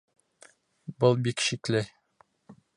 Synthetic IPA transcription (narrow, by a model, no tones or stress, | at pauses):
bɤlˠbikɕiklɘ